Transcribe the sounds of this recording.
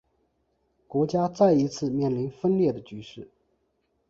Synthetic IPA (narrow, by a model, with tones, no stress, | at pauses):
kwɔ˧˥t͡ɕja˥t͡sa˥˩ɪi˧˥t͡sʰɹ̩˥˧mjɛ˥˩nli˧˥nfə˥nljɛ˥˩d̪ə˩t͡ɕy˧˥ʂɻ̩˥˩